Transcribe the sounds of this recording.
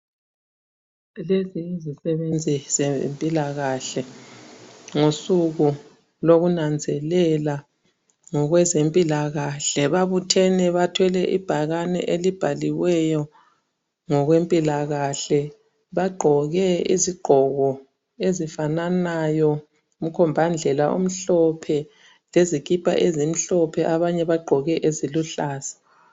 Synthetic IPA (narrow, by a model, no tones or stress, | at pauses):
leziːzisɛβend͡zʱizempʼilaɣaɬɛ | ŋosuɣu | loɣunand͡zʱɛlɛla | ŋɔɣwɛzempʼilaɣaɬɛβaβutʰɛnɛβatʰwɛlɛʔḭb̥ʱaɣanɛ̰ʔelib̥ʱaliwɛjɔ | ŋɔɣwempʼilaɣaɬɛ | βaɡ͡ǃʱɔɣɛḭziɡ͡ǃʱɔɣɔ | ezifananajɔ | um̩kʰɔmbʱand͡ɮʱɛlaʔṵm̩ɬɔpʰɛ | lezikipʰa̰ʔezim̩ɬɔpʰɛʔaβaɲɛβaɡ͡ǃʱɔɣɛʔeziluɬaːz̥ḁ